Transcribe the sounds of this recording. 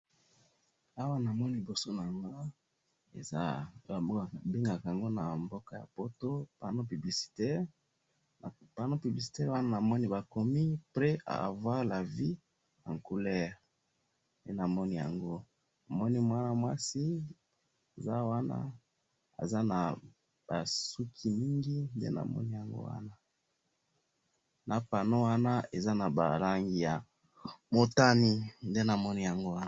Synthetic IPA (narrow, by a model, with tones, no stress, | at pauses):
a˦wa˦na˨mɔ˦ni˦li˨bo˨so˦na˨ŋɡa˦ | ḛ˨za̰˦a˨˦˨be˦ŋɡa˨ka˨a˨ŋɡo˦na˨mbo˦ka˨ja̰˨po˦to˦pa˨no˦py˨bli˨si̥˨tɛ˦ʁ | pa˨no˦py˨bli˨s̬i̥˨tɛ˦ʁwa˦na˦na˨mɔ˦ni˦ba˨ko˨mi˦pʁɛ˦ʔa̰˨vwa˦ʁla˨vi˦ | na̰˨ŋ˨ku˦lɛ˦ʁ | e˦na˨mɔ˦ni˦ja̰˨ŋɡo˦ | na˨mɔ˦ni˦mwa˦na˦mwa˦si˦ | e˨za˦wa˦na̰˦ | a̰˨za˦na˨ | b̥a˨su˦kʰi˦mi˦ŋɡi˦ndḛ˦na̰˨mɔ̰˦ni˦ja˨ŋɡo̰˦wa̰˦na˦ | na˨pa˨no˦wa˦na˦e˨za˦na˨ba̰˨la˦ŋɡi˨ja˨ | mo˨ta˦ni˦nde˦na˨mɔ˦ni˦ja˨ŋɡo˦wa˦